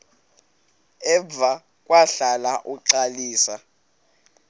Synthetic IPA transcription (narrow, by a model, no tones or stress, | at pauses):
ɛva | kʼwaɬalaʔuǀaliːsa